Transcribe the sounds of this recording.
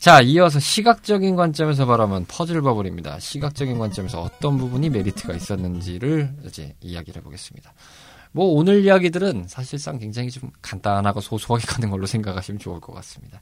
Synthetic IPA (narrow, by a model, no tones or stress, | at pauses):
t͡ɕaiʌs̬ʰʌɕʰiɡak̚t͡ɕ͈ʌɡinɡwant͡ɕ͈ʌmes̬ʰʌbaɾamjʌnpʰʌd͡ʑɯɭbʌbʌɾimɲida̰ɕʰiɡak̚t͡ɕ͈ʌɡinɡwant͡ɕ͈ʌmesʰʌʌt͈ʌnbubuɲime̞ɾitʰɯɡais͈ʌnːɯnd͡ʑiɾɯɭid͡ʑe̞̰ijaɡiɾeboɡe̞s͈ɯ̥mɲid̥a | mwʌonɯɾijaɡidɯɾɯnsʰaɕʰiɭs͈aŋkwe̞ŋd͡ʑaŋit͡ɕomkandanɦaɡosʰosʰoɦaɡek͈anɯnɡʌɭːosʰe̞ŋɡakʰaɕʰimt͡ɕouɭk͈ʌk͈a̰s͈ɯmɲid̥a